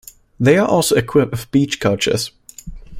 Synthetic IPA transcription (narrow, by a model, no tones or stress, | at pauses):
ðeɪəʔɔˑlˠsəʊɪkʰw̥ɪpəvbiˑt͡ʃkʰʌʊt͡ʃə̰z̥